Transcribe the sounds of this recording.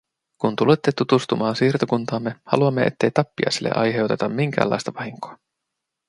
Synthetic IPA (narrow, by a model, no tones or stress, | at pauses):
kunt̪ulet̪ːet̪ut̪ust̪umɑːnsiːrt̪okunt̪ɑːmːe̞hɑ̰luɑmːe̞ʔe̞̰t̪ːe̞jt̪ɑpːiɑ̰jselːeʔɑ̰jɦe̞owt̪e̞t̪ɑmmiŋk̟æ̰ːlːɑ̰jst̪ɑʋɑɦiŋko̥ɑ